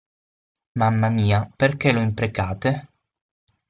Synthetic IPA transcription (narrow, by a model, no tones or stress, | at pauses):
mamːamiːaperk̟eloimpɾekaːt̪e